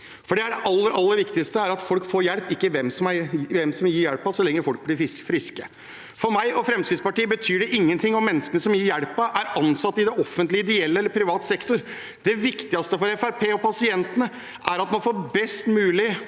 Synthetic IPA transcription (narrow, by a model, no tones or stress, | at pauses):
fɔɖɛæɖɛʔɑlːəɾɑlːəɾʋɪkt̪ɪst̪əæɾɑt̪fɔlkfoːɾjɛlpɪkːəʋɛmsɔmæɾʋɛmsɔmjiːɾjæɽpɑsɔlɛŋːəɾfɔlk̚blɪɪsfɾɪskə | fɔɾmæɪɔfɾɛmskɾɪt̪spɑʈiːəbət̪ʰyːɖɛʔɪŋːənt̪ʰɪŋːɔmɛnːəskənəsɔmjiːɾjælpɑʔæɾɑnsɑt̪ːɪd̪ɛɔfənt̪lɪɪd̪ɪɛlːəɛlːəɾpʰɾɪʋɑːt̪sɛkt̪ʊɾ | d̪ɛʋɪkt̪ɪɡɑst̪əfɔɾɛfæɾpʰeːɔpʰɑsɪɛnt̪ənə | ʔæɾɑt̪mɑnfoːbɛst̪mʉːlɪ